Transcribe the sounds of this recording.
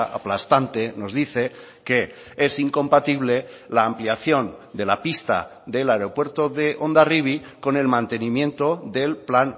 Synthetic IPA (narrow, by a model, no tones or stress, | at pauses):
a̰plast̪ant̪e̞no̞zðiθe̞ | ke̞ | esiŋkõ̞mpat̪iβ̞le̞laːmpliaθjo̞nd̪e̞lapist̪a̰ðe̞laeɾo̞pweɾt̪o̞ðe̞ʔo̞nd̪ariβ̞iko̞ne̞lmãnt̪e̞nĩmjẽ̞nt̪oðe̞lplan